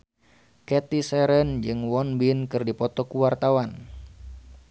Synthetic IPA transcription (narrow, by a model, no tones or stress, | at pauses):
kɛt̪isɛɾənd͡ʒɨŋwɔnbinkɨrdipɔt̪ɔkuwart̪awan